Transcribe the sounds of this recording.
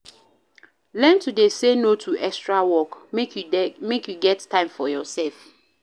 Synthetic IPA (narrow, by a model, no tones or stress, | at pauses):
lɛ̃ntudesenotʰuʔɛkstɹawɔk | mekjuɡɛttʰːãɪ̃mfɔjɔsɛlf